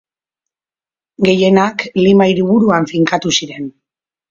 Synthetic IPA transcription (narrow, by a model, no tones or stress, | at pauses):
ɡe̞je̞naklimaiɾuβuɾuaɱfiŋkat̪usiɾe̞n